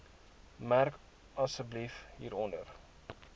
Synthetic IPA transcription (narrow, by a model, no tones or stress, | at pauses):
mærk | ɐsəblifɦiːɾɔndər